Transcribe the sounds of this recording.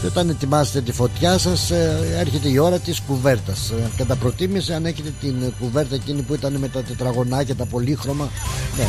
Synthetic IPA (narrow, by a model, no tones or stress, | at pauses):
eo̞t̪ɐne̞t̪imɐset̪e̞t̪ifo̞t̪çɐsɐse̞ɾçe̞t̪e̞io̞ɾɐt̪iskuve̞ɾt̪ɐskɐt̪ɐpɾo̞t̪imiseɐneçet̪e̞t̪inkuve̞ɾt̪ɐecinipuit̪ɐneme̞t̪ɐt̪et̪ɾɐɣo̞nɐcet̪ɐpo̞lixɾo̞mɐne